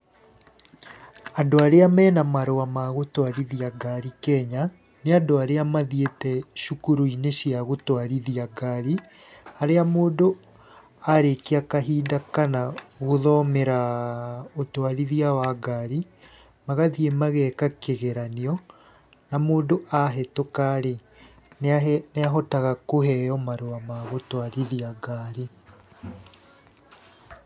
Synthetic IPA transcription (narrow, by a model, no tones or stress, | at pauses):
andoaɾeamɛːnamaɾoamaɣotwaɾiðiaɡaɾikɛɲa | neadoaɾeamaðietɛʃukuɾuineɕiaɣotwaɾiðiaɡaɾi | aɾeamoːndo | aɾekeakaɦiːdakanaɣoðɔmeɾa | otwaɾiðiawaɡaɾi | maɣaðiemaɣɛkakeɣeɾaniɔ | namoːndoʔaɦɛtokaɾe | nnɛaɦɔtaɣakoɦɛjɔmaɾoamaɣotwaɾiðiaɡaːɾi